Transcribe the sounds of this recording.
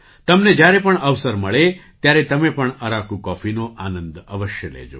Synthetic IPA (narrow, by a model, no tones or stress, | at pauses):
t̪ɐmned͡ʒjaɾepəɳəʋsəɾməɭet̪jaɾet̪ɐmepəɳəɾakukɔfinoʔanə̃nd̪ə̰ʋəʃjəlḛd͡ʒo̰